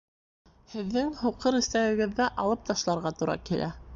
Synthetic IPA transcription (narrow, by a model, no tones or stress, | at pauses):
hɘ̆ðːɘŋhuqɤɾɘ̆st̪æwɘ̆ɡɘ̆ðːæʔɑlˠɤp̚t̪ɑʃlˠɑɾʁɑt̪uɾɑ̰kilʔæ̰